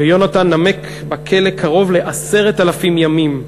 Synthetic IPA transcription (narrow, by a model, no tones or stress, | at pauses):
vejo̞natanːamek | bakʰe̞lekʰaʁo̞vle̞ʔase̞ʁetalafimjamim